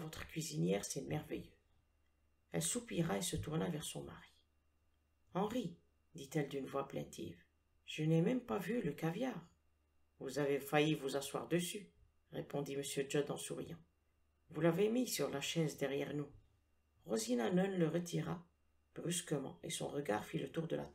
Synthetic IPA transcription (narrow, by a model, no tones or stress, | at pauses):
vɔt̪χə̥kʲɥizinjɛʁsɛmɛʁvḛjø | ɛlsupiʁaesət̪uʁnavɛʁsɔ̃ma̰ʁi | ɑ̃ʁi | d̪it̪ɛld̪ynvwaplɛ̰̃t̪ʰḭv | ʒ̥ənɛmɛmpavyləkavjaʁ | vuzavefajivuzaswa̰ʁd̪əsy | ʁepɔ̃d̪iməsjød͡ʒɔd̪ɑ̰̃suʁḭjɑ̃ | vulavemisyʁlaʃɛzd̪ɛʁjɛ̰ʁnu | ʁozinanɔnləʁət̪ʰiʁa | b̥ʁyskəmɑ̰̃ḛsɔ̰̃ʁəɡa̰ʁfilət̪uʁd̪əla̰t̪